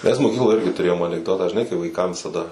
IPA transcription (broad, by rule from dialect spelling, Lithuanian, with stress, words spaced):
ˈmʲɛs moːˈkʲiːklˠoːj ˈɪrʲɡʲɪ tʊˈrʲeːjoːm ɐnʲɪɡˈdoːtɑː ʒʲɪˈnɐɪ kɐɪ ʋɐɪˈkɐm ʋʲɪsɐˈdɐ